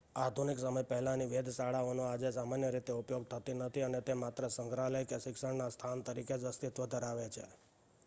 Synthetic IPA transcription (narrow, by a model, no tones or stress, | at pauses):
ad̪ʱuniksəməjpəɦɛlaniʋed̪ʱsaɭaonoad͡ʒesamanjəɾit̪eupjoɡ̚t̪ʰət̪inət̪ʰiənet̪emat̪ɾəsə̃ŋɡɾaləjkeʃɪkʃəɳnast̪ʰant̪əɾiked͡ʒəst̪ʰit̪ʋəd̪ʱəɾaʋet͡ʃʰḛ